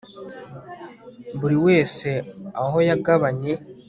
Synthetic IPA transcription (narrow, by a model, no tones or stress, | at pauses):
βuɾiwe̞ːse̞aɦo̞jaɡaβaɲe̞